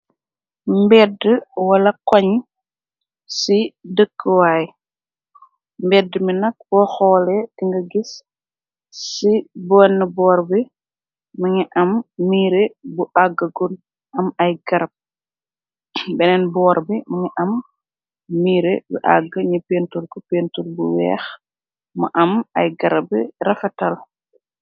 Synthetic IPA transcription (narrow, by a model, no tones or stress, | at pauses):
mbɛːdəwɐlɐkɔɲ | sidəkːəwaːj | mbɛdːəminɐk̚b̥ɔxɔːlɛtiŋɡɐɡisː | ibɔːnːəbɔːɾbi | mɐŋiʔɐmːiːɾebuʔaɡːəɡun | ʔɐmɐjɡɐɾɐp̚ | bɛnɛnbɔːɾbimɐŋiʔɐmː | iːɾebṵʔa̰ɡːəɲipentulkɔpeːntulbuwɛ̰ːx | mɐ̰ʔɐmɐ̰jɡɐɾɐbirɐfɐtɐl